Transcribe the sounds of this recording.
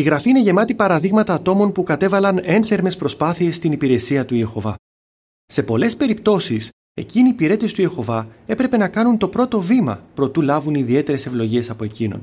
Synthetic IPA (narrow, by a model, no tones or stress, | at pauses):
iɣɾɐfiine̞ʝe̞mɐt̪ipɐɾɐðiɣmɐt̪ɐːt̪o̞mo̞npukɐt̪e̞vɐlɐne̞nθe̞ɾme̞spɾo̞spɐθie̞sːt̪inipiɾe̞siɐt̪uie̞xo̞vɐ | se̞po̞le̞spe̞ɾipt̪o̞sis | e̞̰ciniːpiɾe̞t̪e̞st̪uie̞xo̞vɐe̞pɾe̞pe̞nɐkɐnunt̪o̞pɾo̞t̪o̞vimɐ̰pɾo̞t̪ulɐvuniðie̞t̪e̞ɾe̞se̞vlo̞ʝie̞sɐpo̞e̞cino̞̰n